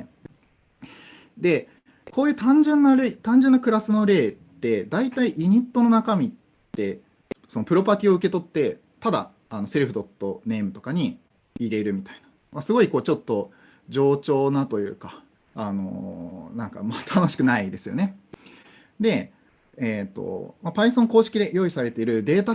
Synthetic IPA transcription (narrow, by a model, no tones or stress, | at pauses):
d̪e̞ | kʰo̞ːjɯ̟ːt̪ãɲ̟d͡ʑẽ̞nːaɾet̪ãɲ̟d͡ʑenːakɯ̟ɾasɨno̞ɾe̞ːt̪ːe̞d̪ait̪aiʔiɲ̟it̪ːo̞no̞nakamʲi | t̪ːe̞ | so̞no̞pɯ̟ɾo̞pat̪ʲio̞ɯ̟ke̞t̪o̞t̪ːe̞ | t̪ad̪a̰ | ano̞se̞ɾɯ̟ɸɯ̟d̪o̞t̪ːo̞ne̞ːmɯ̟t̪o̞kaɲ̟iː | ɾe̞ɾɯ̟mʲit̪ainḁ | masɨɡo̞iko̞ːt͡ɕo̞t̪ːo̞ | d͡ʑo̞ːt͡ɕo̞ːnat̪o̞jɯ̟̰ːka | ano̞̰nãŋka̰mat̪ʰano̞ɕi̥kɯ̟naid̪e̞sɨjo̞̰ne̞ | d̪e̞ | et̪ːo̞̰mapaisõ̞ŋko̞ːɕi̥kʲid̪e̞jo̞ːisaɾe̞t̪e̞iɾɯ̟d̪e̞ːt̪a